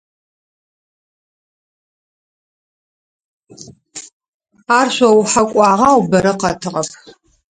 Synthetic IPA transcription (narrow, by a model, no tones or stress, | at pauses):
aːrɕʷɐwħakʷʼɑːʁaːwbɐɾɐqɐtʰɨʁɐp